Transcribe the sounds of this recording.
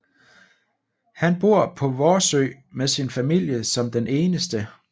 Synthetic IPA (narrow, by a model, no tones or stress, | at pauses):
hænb̥o̝ɐ̰pʰɒ̽ʋɒːsø̰ːɪ | mesinfæmil̰jəsɒ̽md̥enʔe̝ːnəsd̥ə